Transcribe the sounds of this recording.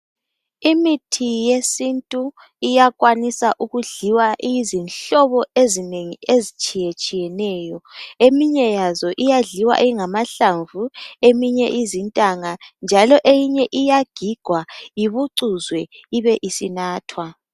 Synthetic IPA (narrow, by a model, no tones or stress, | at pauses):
imitʰijesintʼu | ijaɣwanisaʔuɣuɮiwaʔjizinɬɔβɔezineŋiezit͡ʃʼijet͡ʃʼijɛnɛːjɔemiɲɛjazɔʔijaɮiwa̰ʔiŋamaɬaɱvuemiɲɛʔizintʼaŋand͡ʒʱalɔʔejiɲɛʔijaɡ̥ʱiɡ̥ʱwajiβuǀuzwɛiβɛʔisinaːtʰwa